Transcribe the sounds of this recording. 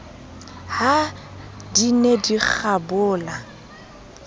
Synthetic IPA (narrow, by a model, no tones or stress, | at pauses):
ha | dinedik͡xʰabʊːla